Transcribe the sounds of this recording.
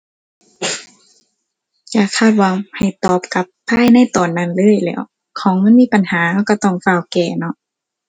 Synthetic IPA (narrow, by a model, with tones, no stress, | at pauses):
jaː˧˩kʰaː˧˥˩t̪̚waː˧˩ha˨˩jt̪ɔː˨˩p̚ka˧˦pːʰa˧˥˨jna˧˥˩jt̪ɔː˨˩nːa˧˩nlɤː˧˥˨jlɛ̰ː˧˩w | kʰɔː˨˦ŋmɤ˧˥˨nmiː˧˥˨pa˨nhaː˨˩˦ha˧˩wka˧˩t̪ɔ˧˩ŋfaː˧˩wkɛː˨˩nɔ˧˥ʔ